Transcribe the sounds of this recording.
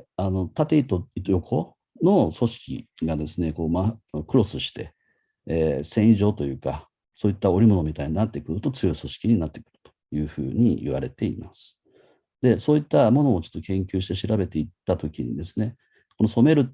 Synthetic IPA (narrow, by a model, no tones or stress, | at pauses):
ano̞t̪at̪e̞it̪ot̪ojo̞kʰo̞ | no̞so̞ɕi̥kʲḭɡad̪e̞sɨne̞ko̞ːmakɯ̟ɾo̞sɨɕi̥t̪e̞ | sẽ̞iʑo̞ːt̪o̞jɯ̟ːka | so̞ːit̪ːao̞ɾʲimo̞no̞mʲit̪aiɲ̟inat̪ːe̞kɯ̟ɾɯ̟t̪o̞t͡sɨjo̞iso̞ɕi̥kʲiɲ̟inat̪ːe̞̥kɯ̟ɾɯ̟̥t̪o̥jɯ̟ːɸɯ̟̰ːɲ̟ḭḭβa̰ɾe̞t̪e̞ḭmasɨ̥ | d̪̥e̞so̞ːit̪ːamo̞no̞ːt͡ɕo̞̥t̪ːo̞kẽ̞ŋkʲɨːɕi̥t̪e̞ɕiɾabe̞t̪e̞it̪ːat̪o̞kʲiɲ̟ḭd̪e̞sɨne̞ | ko̞no̞so̞me̞ɾɯ̟